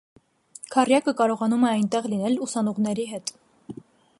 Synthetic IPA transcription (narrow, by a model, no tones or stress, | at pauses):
kʰɑrjɑkəkɑɾɔʁɑnumɛɑjnt̪ɛʁlinɛlusɑnɔʁnɛɾiɦɛt̪